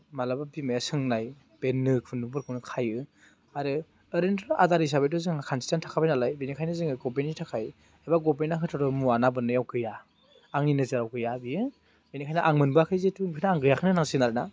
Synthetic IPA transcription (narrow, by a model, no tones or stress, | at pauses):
malababimajasɯŋnaj | benːɯkʰunɯbɯɾkʰɯnɯkʰajɯ | aɾɯ | əɾendɾʔadaɾis̬abejtɔzɯŋakʰansi̥tantʰḁkʰabajnalajbenikʰajnɯzɯŋɯɡɔp̬enitʰakʰaj | ajbaɡɔpenakʰɯtʰɔɾɔmuanabɯnɯjawkɯja | aŋninɯzɯɾawkɯjabijɯ | benikʰajnaʔaŋmɯnbakʰɯjzetuŋpʰɯnaːŋɡɯjakʰɯnɯnaŋsinaɾana